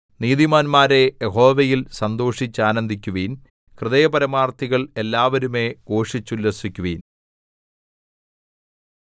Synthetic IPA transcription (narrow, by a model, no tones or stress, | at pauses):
niːðimaːnmaːɾe̞jeɦo̞ːʋɐjilsɐnd̪o̞ːʂit͡ɕːaːnɐnd̪ʱikʲːuʋiːn | krɨðɐjɐpɐɾɐmaːrt̪ʰiɣɐɭe̞lːaːʋɐɾume̞ɡo̞ːʂit͡ɕːulːɐsikʲːuʋiːn